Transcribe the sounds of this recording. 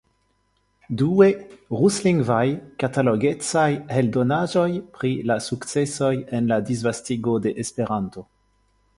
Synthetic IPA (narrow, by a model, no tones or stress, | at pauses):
dueʁusliŋɡvajkataloɡe̞t͡sajhe̞ldo̞naʒo̞jpɾilasukt͡se̞so̞jenladizvastiɡo̞de̞ʔespe̞ɾanto̞